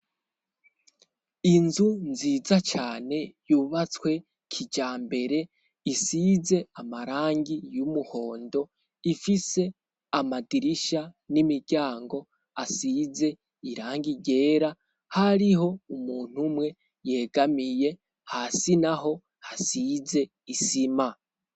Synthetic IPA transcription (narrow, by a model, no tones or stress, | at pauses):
inzunziːzat͡ʃaːne̞juːβat͡swe̞ | kʰid͡ʒaːmbe̞ɾe̞ | isize̞amaɾaːŋɡijumuho̞ːndo̞ | ifise̞ | amadiɾiʃanimiɾɟaːŋɡo̞ | asize̞ | iɾaːŋɡiɟe̞ːɾa | haɾiɦo̞umuːn̥umŋe̞ | je̞ːɡamije̞ | hasinaɦo̞ | hasize̞ | isima